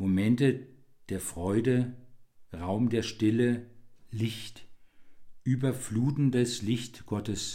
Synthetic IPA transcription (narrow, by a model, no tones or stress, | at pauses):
momɛntə | d̥eːɐfʁ̥ɔʏdə | ʁaʊmdeːɐʃtɪləlɪçt | ʔyːbɐfluːtn̩dəslɪçtɡ̥ɔtəs